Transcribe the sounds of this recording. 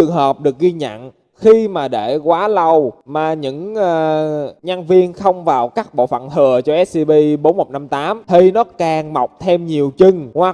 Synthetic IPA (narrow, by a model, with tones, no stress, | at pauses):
ɨ˨˩əŋɦəː˨˩p̚ɗɨ˨˩ək̚ɣi˧ɲə̰˧˨n | xi˧maː˨˩ɗe˧˩kwaː˨˦lə˧˩wmaː˨˩ɲɨ̰˧˥ŋəː˨˩ɲa˧nvi˧ənxə˧wŋ͡mvaː˨˩wkaː˦˥k̚ɓo̰˧˨fə̰˧˨nt̪ʰɨ˨˩ət͡ɕɔ˧ʔɛ˦˥s̚si˧ɓi˧ɓo˨˦nmo˨˩k͡p̚na˧mt̪aː˨˦mt̪ʰi˨˩nɔ˨˦kaː˨˩ŋma˨˩wk͡p̚t̪ʰe˧mɲi˨˩əwt͡ɕɨ˧ŋhwa˨˩